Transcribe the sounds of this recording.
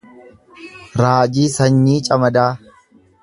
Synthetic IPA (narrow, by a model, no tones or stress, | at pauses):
ɾaːd͡ʒiːsɐɲːiːt͡ʃʼɐmɐd̪aː